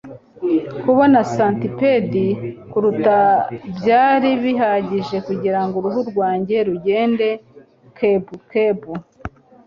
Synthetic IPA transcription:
kuβo̞nasantipedikuɾutabjaːɾiβiɦaɟiʒe̞kuɟiɾaŋɡoɾuɦuɾɡwaːɲɟe̞ɾuɟe̞ːnde̞ | kebukebu

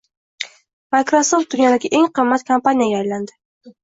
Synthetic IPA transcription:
majkɾosoft̪̚d̪ʊnjad̪aɡʲɪʔe̞ŋqʰɨmːat̪kʰampanʲijaɡʲaːjland̪ɪ

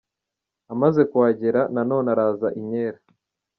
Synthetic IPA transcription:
amaze̞kwaːɟe̞ɾanano̞ːnaɾaːzaʔiɲeːɾa

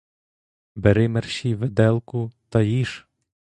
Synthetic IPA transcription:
beɾɪmerʃiʋed̪ɛlˠkʊt̪ɐjiʃ

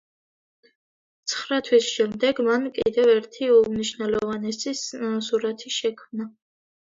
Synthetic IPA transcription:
t̪sʰχɾat̪ʰwisʃɛmd̪ɛɡmankʼḭd̪ɛvɛɾt̪ʰiumniʃvnɛlɔvanɛsissuɾat̪ʰiʃɛkʰmna

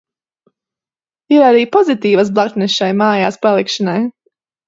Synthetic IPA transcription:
iɾaɾiːpɔzit̪iːvasblˠakt̪nɛʃajmaːjaːspalˠikʃɔnaj

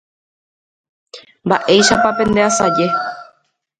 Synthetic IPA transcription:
mba̰ʔe̞jʃapapẽ̞nd̪easad͡ʒe̞

